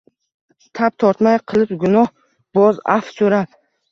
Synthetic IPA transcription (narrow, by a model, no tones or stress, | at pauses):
t̪ʰap̚t̪ʰɒɾt̪majqʰɨlˠɪpɡʊnɒh | b̥ɒza̰fsoɾap̚